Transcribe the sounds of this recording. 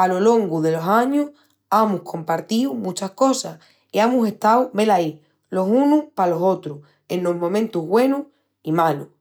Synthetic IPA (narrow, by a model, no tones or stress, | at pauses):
alo̞lo̞ŋɡuðe̞lo̞saɲuh | amuhkʰo̞mpaɾt̪iwmũt͡ʃahko̞sah | iamuse̞ht̪awme̞lai | lo̞sunuhpalo̞so̞t̪ɾu | e̞nlo̞ɦmõ̞mẽnt̪uɦβwe̞nuh | imalu